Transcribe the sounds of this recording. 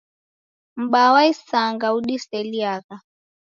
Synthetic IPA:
m̩ɓawaisaŋɡauɗisɛliaɣa

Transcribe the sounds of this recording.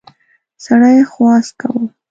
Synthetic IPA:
saɽajxwɑska̰wə

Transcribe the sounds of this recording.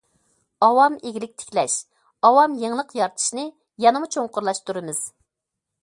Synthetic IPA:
ɑwɑmeɡʲilɪk̚ʲt̪ʰɪ̥kʲlɛʃ | ɑwɑmjeŋlˠəqjɑɾt̪ʰɨ̥ʃnɨ | jɑnɨmut͡ʃʰoŋqʊɾlˠɑʃt̪uɾɨmɨz̥

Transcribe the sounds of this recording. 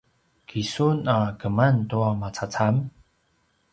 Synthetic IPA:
kʰisunakəməntuamat͡sʰat͡sʰam

